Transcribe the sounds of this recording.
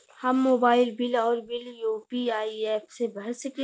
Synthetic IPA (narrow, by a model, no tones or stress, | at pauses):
hɐmːoːbaːɪlbɪlɔːɾbɪljoːpiaːieːpʰsebəɦsəke